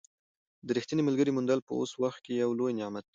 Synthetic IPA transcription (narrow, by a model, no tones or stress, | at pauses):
d̪əɾixt̪inemalɡəɾimʊnd̪alpə̰o̰swaxt̪̚kejawlojnɪʕmat̪̚d̪